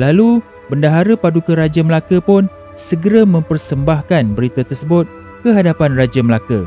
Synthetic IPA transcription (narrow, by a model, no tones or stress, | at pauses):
lalu | bəndaɦaɾəpadukəɾad͡ʒəməlakəpʊn | səɡəɾamə̃mpərsəmbahkanbəɾit̪at̪ərsəbʊt̪̚ | kəɦadapanrad͡ʒaməlakə̰